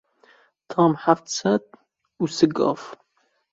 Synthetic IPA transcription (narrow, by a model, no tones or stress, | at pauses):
tʰɐʁmħaft͡sʰɐt | usɨɡʼɐ̰f